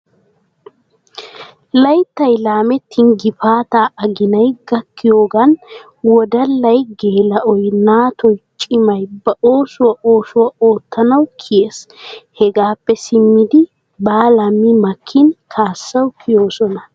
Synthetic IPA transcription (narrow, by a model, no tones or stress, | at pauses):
lɐjt̪ːɐjlaːmɛt̪ʰːɪnɡɪpaːt̪aːʔɐɡɪnɐjɡɐkʰːɪjo̞ːɡɐn | wɔd̪ɐlːɐjɡe̞ːlɐʔɔjnaːt̪ɔjt͡ʃʼɪmɐjbɐʔo̞ːsʊwɐʔo̞ːsʊwɐoːt̪ːɐnɐwkʰɪjeːshɛɡaːpːɛsɪmːɪd̪ɪ | baːlɐmːɪmɐkʰːɪnkʰaːsːɐwkʰɪjo̞ːsɔnɐ